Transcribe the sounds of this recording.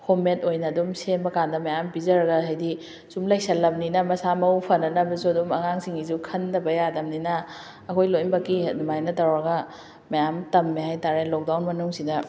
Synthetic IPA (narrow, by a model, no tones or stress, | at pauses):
hometojnɐdumsemɐkandɐmɐjampizɐɾɐɡɐɦajdi | sumlajk̚sɐlɐmninɐmɐsamɐwpʰɐnɐnɐbɐsuɐdumɐŋaŋsiŋizukʰɐndɐbɐjadɐmninɐː | kʰojlojmbɐkimajnɐtawɾɐɡɐ | mɐjamtɐmːihajtaɾelɔk̚dawnmɐnuŋsidɐ